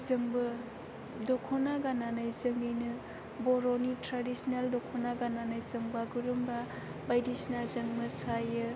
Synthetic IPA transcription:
zɯŋbɯ | dɔkʰɔnaɡananajzɯŋɡɯjnɯ | boɾonitɾadisnaldɔkʰɔnaɡananajzɯŋbaɡuɾumba | bajdisnazaŋmɯsajɯ

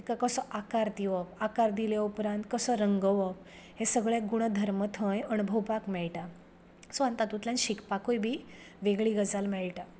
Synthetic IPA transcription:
ikakəsɔʔakaɾd̪iʋɔpakaɾd̪iljaupɾãnt̪̚kəsəɾəŋɡəʋɔp | hesəɡɭeɡuɽ̃əd̪ʱəɾmət̪ʰə̃jəñubʱəwpakmɛɭʈa | sant̪at̪ut̪ljãnɕikpakojbʱiː | ʋeɡɭiɡəd͡zalmɛɭʈa

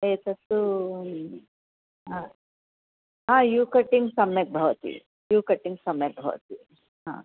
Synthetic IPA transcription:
et̪ɐt̪u | ɦã | ɦãːjuːkɐʈːiŋɡsɐmjɐk̚bʱɐʋt̪ḭ | juːkɐʈːiŋɡsɐmjɐk̚bʱɐʋɐ̰t̪ḭ | ɦã̰ː

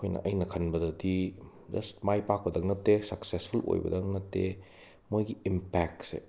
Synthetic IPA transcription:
kʰojnɐ̰ʔɐjnɐkʰɐnbɐdɐdi | d͡ʒɐstmajpak̚pɐdɐk̚nɐtːesɐksespʰulo̰jbɐ̰dɐk̚nɐtːe | mojɡiimpɛk̚sḛ

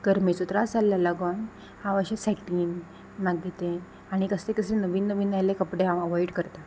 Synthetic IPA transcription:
ɡ̥əɾmet͡sɔt̪ɾasaljalaɡawn | hãʋəɕasɛkiːn | maɡet̪e | aɽ̃ikəst̪ekəsẽnəʋiːnːəʋiːnajlekəpɽeãəʋɔjɽkəɾt̪a

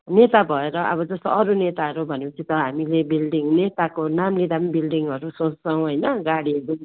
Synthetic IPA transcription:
net̪abʱʌeɾʌʔʌ̰βʌd͡zʌst̪oʌɾunet̪aɦʌɾubʱʌnekut͡sʰĩt̪ʌɦamilebilɖiŋnet̪akonamlid̪ambilɖiŋʌɾusõt͡st͡sʌw̃ɦʌjnʌɡaɽiʌɾu

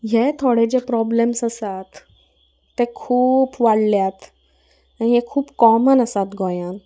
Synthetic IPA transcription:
ɦjet̪ʰoɽed͡ʑepɾɔblemsəsat̪ː | ekʰuːpʋaɽljat̪ | ãiɦekʰuːpkɔmənəsat̪ɡɔjãn

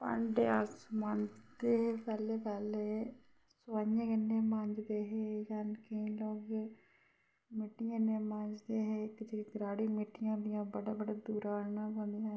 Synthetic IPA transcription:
pə̰ɳɖḛːasməɲd͡ʒd̪eːpɛːleːpɛːleː | sʋaːãːɡənːeːmə̃ɲd͡ʒd̪eːɦeːjankəĩːloːɡ | mɪʈːɪjãːneːmãd͡ʒd̪eːɦeːkd͡ʒeːɡɾaːɽiːmɪʈːɪjãːd̪ɪjãːbəɽaːbəɽaːd̪uːɾaːnãːbə̃nd̪ijãː

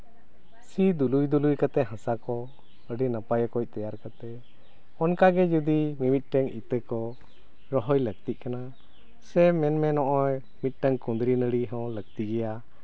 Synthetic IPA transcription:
sid̪ulujd̪ulujkat̪ɛɦãsakɔ | əɖinəpajakɔc̚t̪ɛjaɾkat̪ɛ | ɔnkaɡɛd͡ʒud̪imimit̪̚ˀʈəŋit̪əkɔ | ɾɔɦɔjləɡ̚t̪iʔ̚kana | sɛmɛnmɛnɔʔɔj | mit̪̚ˀʈəŋkũnd̪ɾinəɽiɦɔ̃ləɡ̚t̪iɡɛja

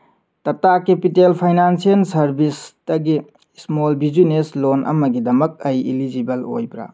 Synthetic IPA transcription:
tɐtakepitelpʰajnansielsɐɾbisdɐɡi | smolbizuneslonʔɐ̰mɐɡidɐmɐk̚ɐjilid͡ʒibɐlo̰jbɾa̰

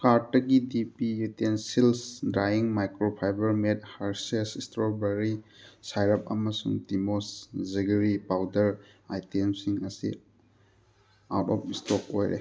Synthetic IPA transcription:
kaɾtːɐɡidipijutensilsdɾajiŋmajkɾopʰajbɐɾmet̚haɾsesistɾobeɾi | sajɾɐp̚ɐmɐsṵŋtimosziɡɾipawdɐɾ | ajtemsiŋɐsḭ | a̰ɾtɔp̚istɔk̚ojɾḛ

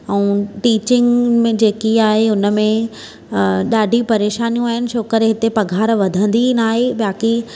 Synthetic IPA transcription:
ɛ̃ːʈiːt͡ɕɪ̃ŋɡmẽd͡ʑeːkiaːɦeʊnə̆mẽ | ɗaːɖʱipɐɾeːʃaːnijũaːɦɪnɪ̆ʃʰoːkəɾeɦɪt̪epɐɡʱaːɾʋɐd̪ʱə̃nd̪inaːɦeɓaːki

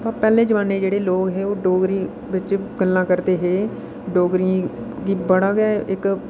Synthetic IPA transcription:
pãːpɛːlẽːd͡ʒəʋãːneːd͡ʒeːɽeːloːɡɦeːoːɖoːɡɾiː | bɪt͡ʃɡəlːãːkəɾt̪eːɦeː | ɖoːɡɾiã | ɡiːbəɽaːɡaːʔɪk

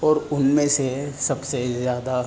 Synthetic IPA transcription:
ɔːɾʊnmẽsesɐbsezjaːd̪a

